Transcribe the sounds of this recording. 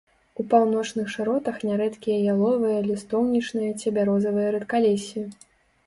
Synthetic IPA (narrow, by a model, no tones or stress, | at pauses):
upawnɔt͡ʂnɨxʂɨɾɔt̪ɐxnʲaɾɛt̪kʲijɐjalˠɔvɨjɐlʲist̪ɔwnʲit͡ʂnɨjɐt͡sʲɛbʲaɾɔzɐvɨjɐɾɛt̪kalʲesʲːii